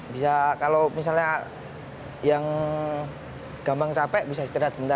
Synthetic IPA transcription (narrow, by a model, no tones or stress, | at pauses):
bisakalomis̬alɲa | jaŋ | ɡ̥ambaŋt͡ʃapɛʔbisaist̪iɾat̪səmənt̪a